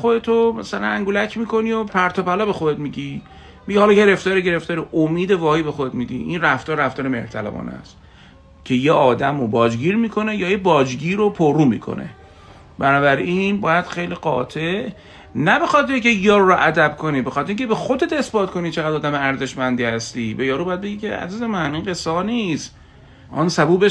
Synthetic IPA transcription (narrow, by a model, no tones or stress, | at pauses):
xod̪et̪ʰomæsælæ̰næŋɡulæcʰmiːkʰo̞niopʰæɾt̪ʰopælɒːbe̞xoet̪miɟi | miɟihɒlɒɡe̞ɾe̞ft̪ɒːɾeɡe̞ɾe̞ft̪ɒːɾiʔomiːd̪evɒːhiːbe̞xod̪ed̪miːd̪ḭʔinræft̪ɒːɾɾæft̪ɒːɾemeht̪ʰælæ̰bɒ̰ːnæ̰st̪ | cʲʰe̞jeʔɒːd̪æmobɒːd͡ʒɡiːɾmiːkʰo̞ne̞jɒːjebɒːd͡ʒɡiːɾopʰoruːmḭːkʰo̞̰nḛ | bænɒːbæɾʔinbɒːjæd̪̥xejliːɢɒ̰ːt̪ʰeʔ | næbe̞xɒːt̪̚beicʲʰe̞jɒːɾuɾoʔæd̪æb̥kʰo̞niːbexɒːt̪ʰeɾiŋcʰebexo̞d̪et̪e̞sbɒːt̪kʰo̞nit͡ʃʰeɣæd̪ɒːd̪æmeæɾze̞ʃmænd̪iːhæst̪iːbejɒːɾubɒjæd̪beɡiːcʲʰeæ̰zizemæniːnɢe̞sɒːniːst̪ | ʔɒːnsæbuːbe